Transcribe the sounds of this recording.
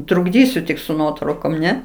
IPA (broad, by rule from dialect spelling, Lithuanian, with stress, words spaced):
trʊɡˈdʲiːsʲʊ tʲɪk sʊ ˈnuɔtrɐʊkoːm ˈnʲɛ